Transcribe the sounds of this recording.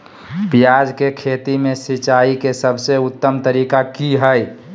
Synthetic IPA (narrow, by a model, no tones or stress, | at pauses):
pijad͡ʒkekʰet̪imẽsit͡ʃaikesəbʱseʊt̪ːəmt̪əɾikakiɦəj